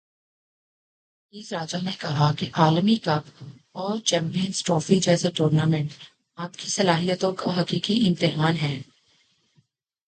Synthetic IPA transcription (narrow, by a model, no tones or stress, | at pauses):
iːzɾaːd͡ʒanekɐɦakeʔaːlmikɐp | ɔːɾt͡ʃɛ̃ːmpijə̃nsʈɾɔːfid͡ʒɛːseʈoːɾnaːmɛ̃ɳʈ | aːpkisɐlaːɦijət̪õkaɦɐkiːkiɪ̃mt̪ɪɦaːnɦɛː